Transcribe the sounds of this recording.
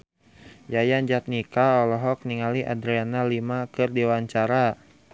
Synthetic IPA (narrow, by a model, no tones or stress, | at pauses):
jajaɲd͡ʒat̪̚nikaɔlɔɦɔk̚niŋaliʔa̰dɾianalimakɨrdiwaɲt͡ʃaɾa